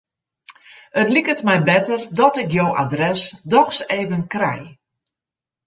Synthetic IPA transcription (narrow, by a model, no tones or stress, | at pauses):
ətlikətmɛjbɛtərdɔtɪkjowa̰drɛsdɔkseːvənkrɛ̰j